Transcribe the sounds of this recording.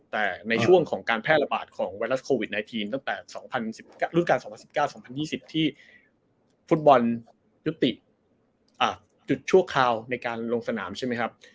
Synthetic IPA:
t̪ɛː˨˩na˧jt͡ɕʰu˥˩əŋkʰɔː˩˦ŋkaː˧npʰɛː˥˩t̪̚la˧baː˨˩t̪̚kʰɔː˩˦ŋwaː˧jɾla˦˥skʰoː˧wi˨˩t̪̚na˧jt̪ʰiː˧mt̪a˥˩ŋt̪ɛː˨˩sɔː˩˦ŋpʰa˧nsi˨˩p̚kaː˥˩ɾu˥˩nka˧nsɔ˩˦pʰa˧nsi˨˩pkaː˥˩wsɔː˩˦ŋpʰa˧njiː˥˩si˨˩p̚t̪ʰiː˥˩ | fu˦˥t̪̚bɔ˧n | ju˦˥t̪ːi˨˩ʔ | ʔaː˨˩ | t͡ɕu˨˩t̪̚t͡ɕʰu˥˩əkʰɾaː˧wna˧jkaː˧nlo˧ŋsa˧naː˩˦mt͡ɕʰa˥˩jma˦˥jkʰa˦˥p̚

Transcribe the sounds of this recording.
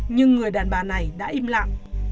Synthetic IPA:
ɲɨ˧ŋːɨ˨˩əjɗaː˨˩nɓaː˨˩na˨˩jɗa̰ː˧˥ʔi˧mla̰ː˧˨ŋ

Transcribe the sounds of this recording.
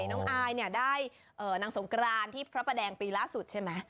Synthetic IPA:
jnɔː˦˥ŋʔaː˧jni˥˩ɐdaː˥˩j | ʔɤː˨˩naː˨˧˥ŋso˩˦ŋkɾaː˧nt̪ʰiː˥˩pʰɾa˦˥pa˧dɛː˧ŋpiː˧laː˥˩su˨˩t̪̚t͡ɕʰa˥˩jmɛ˦˥

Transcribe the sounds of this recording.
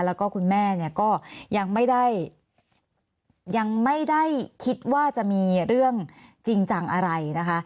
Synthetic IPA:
lɛː˦˥wkɔː˥˩kʰu˧nmɛː˥˩ni˥˩ɐkɔː˥˩ja˧ŋma˥˩jda˥˩j | ja˧ŋma˥˩jda˥˩jkʰi˦˥t̪̚waː˥˩t͡ɕa˨˩ʔmiː˧ɾɯ˥˩əŋt͡ɕi˧ŋt͡ɕa˨˩ŋʔa˧ɾa˧jna˦˥kʰa˦˥ʔ

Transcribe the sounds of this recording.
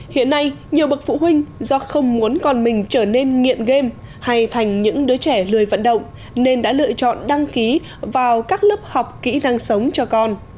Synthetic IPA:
hḭ˧˨ənːa˧j | ɲi˨˩əwɓə˨˩k̚fṵ˧˨ɦwï˧ŋ̟zɔ˧xə˧wŋ͡mmu˨˦ənkɔ˨˩nmï˨˩ŋ̟t͡ɕəː˧˩ne˧nŋḭ˧˨ənɣe˧m | ha˧jt̪ʰa˨˩jŋ̟ɲɨ̰˧˥ŋɗɨː˨˦t͡ɕɛ˧˩lɨ˨˩əjvə̰˧˨nɗə̰˧˨wŋ͡m | ne˧nɗa̰ː˧˥lɨ̰˧˨ət͡ɕɔ̰˧˨nɗa˧ŋki˨˦ | vaː˨˩wkaː˦˥k̚ləː˦˥p̚ha˨˩wk͡p̚kḭ˧˥na˧ŋsə˨˦wŋ͡mt͡ɕɔ˧kɔ˧n

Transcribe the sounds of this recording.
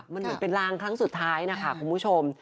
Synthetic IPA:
ma˧nmɯ˩˦npe˧nɾaː˦˥ŋkʰɾa˦˥ŋsu˨˩t̪ʰːaː˦˥jna˦˥kʰa˦˥˩kʰu˧npʰu˦˥t͡ɕʰo˧m

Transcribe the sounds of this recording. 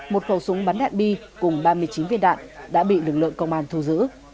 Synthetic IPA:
mo˨˩t̚xə˧˩wsʊ˨˦ŋ͡mɓaː˨˦nɗa̰ː˧˨nɓi˧ | kʊ˨˩ŋ͡mɓaː˧mɨ˧əjt͡ɕi˨˦nvḭ˧ənɗa̰ː˧˨nɗa̰ː˧˥ɓḭ˧˨lɨ˨˩k̚lɨ̰˧˨əŋkə˧wŋ͡mʔaː˧nt̪ʰu˧zɨ̰˧˥

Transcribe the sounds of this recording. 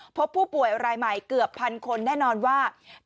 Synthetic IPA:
pʰo˦˥pʰːuː˥˩pu˨˩əjɾaː˧jma˨˩jkɯ˨˩əpʰːa˧nkʰo˧nːɛː˥˩nɔː˧nwaː˥˩

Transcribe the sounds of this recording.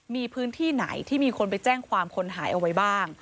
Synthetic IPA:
miː˧pʰɯː˦˥nt̪ʰiː˥˩na̰˩˦jt̪ʰiː˥˩miː˧kʰo˧npa˧jt͡ɕɛː˥˩ŋkʰwaː˧mkʰo˧nɦaː˩˦jʔa˧wa˦jbaː˥˩ŋ

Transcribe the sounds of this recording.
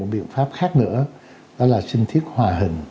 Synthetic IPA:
ɓḭ˧˨ənfaː˦˥p̚xaː˦˥k̚nɨ̰˧˥ə | ɗɔ˨˦laː˨˩sï˧ŋ̟t̪ʰi˦˥ət̚hwaː˨˩ɦï˨˩ŋ̟

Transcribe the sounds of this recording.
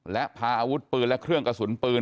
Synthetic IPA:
lɛ˦˥ʔpʰaː˧ʔaː˧wu˦˥t̪̚pɯː˧nlɛ˦˥ʔkʰɾɯ˥˩əŋka˧˩su˩˦npɯː˧

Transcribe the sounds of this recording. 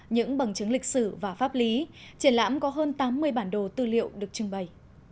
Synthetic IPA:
ɲɨ̰˧˥ŋɓə˨˩ŋt͡ɕɨ˨˦ŋlï˨˩k̟̚sɨ˧˩vaː˨˩faː˦˥p̚li˨˦t͡ɕi˧˩ənla̰ː˧˥mkɔ˨˦ɦəː˧nt̪aː˨˦mːɨ˧əjɓaː˧˩nɗo˨˩t̪ɨ˧˩lḭ˧˨əwɗɨ˨˩ək̚t͡ɕɨ˨˧əŋɓə˨˩j

